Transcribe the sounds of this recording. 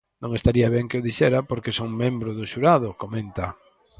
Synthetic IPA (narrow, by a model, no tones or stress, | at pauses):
nõŋest̪aɾiaβɛŋkeʊðiʃɛɾapoɾkesoŋmẽmbɾʊðʊʃuɾaðʊkomẽnt̪ɐ